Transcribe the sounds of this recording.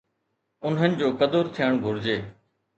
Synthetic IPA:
ʊnɦənɪ̆d͡ʑoːkɐd̪əɾt̪ʰijəɽ̃ɡʱʊɾɪd͡ʑeː

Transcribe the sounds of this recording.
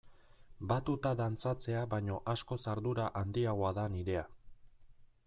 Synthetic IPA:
bat̪ut̪aðant͡sat͡se̞aβaɲo̞ʔasko̞saɾðuɾaʔand̪iaɣ̞oaðaniɾe̞a

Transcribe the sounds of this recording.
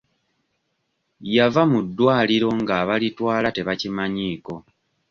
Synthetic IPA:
javamudːwaːliɾo̞ŋɡaβalitwaːlate̞βacimaɲiːko̞

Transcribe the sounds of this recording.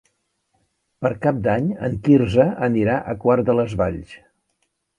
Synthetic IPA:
pəɾkap̚d̪aɲə̰ŋkirzəəniɾaʔəkwaɾd̪ələzβaʎs

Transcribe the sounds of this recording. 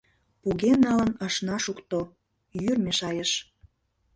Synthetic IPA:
puɣenːɑlə̆nɑʃnɑʃukt̪o | jyrmeʃɑjəʃ

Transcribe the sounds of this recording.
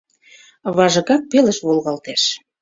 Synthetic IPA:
βɑʒɤ̆ɣɑk̚pelə̆ʃβolɣɑlt̪eʃ

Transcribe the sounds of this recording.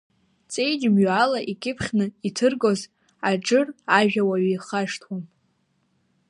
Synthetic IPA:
t͡sʼe̞jd͡ʒɪmɥalaʔikʲʼɪpʰχʲnɨitʰɨrɡoz | aʈ͡ʂɨraʒᶣawaɥijχaʂtʰwam

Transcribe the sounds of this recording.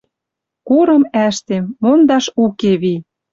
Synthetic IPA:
kuɾɤ̆mæʃt̪emːond̪ɑʃukeβi

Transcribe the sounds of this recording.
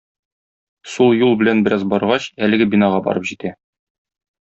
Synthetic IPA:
sulˠjulˠbɘ̆lænbɘ̆ɾɑzbɒɾʁɑɕælɘ̆ɡɘbinɑʁɑbɒ̰ɾɤpʑit̪æ

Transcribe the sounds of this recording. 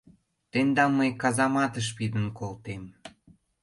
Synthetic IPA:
t̪end̪ɑmmːəjkɑzɑmɑt̪əʃ̬pid̪ənkolt̪em

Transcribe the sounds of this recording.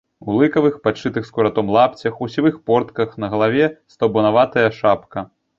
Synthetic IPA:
ulˠɨkɐvɨxpat͡ʂɨt̪ɨxskuɾat̪ɔmlˠapt͡sʲɐxusʲivɨxpɔrt̪kɐxnɐɣɐlˠavʲɛst̪ɔbɔnavat̪ɐjɐʂapkɐ

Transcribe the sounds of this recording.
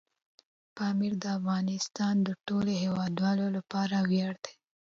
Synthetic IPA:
pɑmiɾd̪əafɣɑnɪst̪ɑnd̪əʈoloɦewɑd̪wɑlolapɑɾawjɑɽd̪̥e̥

